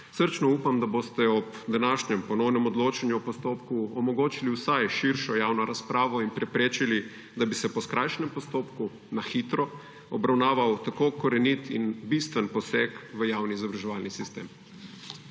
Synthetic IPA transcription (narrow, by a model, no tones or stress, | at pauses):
səɾt͡ʃnɔuːpamd̪abost̪ɛɔb | d̪anaːʃɲɛmpɔnɔwnɛmɔd̪loːt͡ʃanjuɔpɔst̪oːpkuɔmɔɡoːt͡ʃiliwsajʃiɾʃɔjaːwnɔɾaspɾʔaːʋɔinpɾɛpɾeːt͡ʃili | d̪abisɛpɔskɾajʃnɛmpɔst̪oːpku | naxit̪ɾɔ | ɔbɾawnaːʋawt̪akoːkɔɾɛnit̪ḭnbist̪ʋənpɔsɛkʋəjaːwniizabɾaʒɛʋaːlnisist̪ḛːm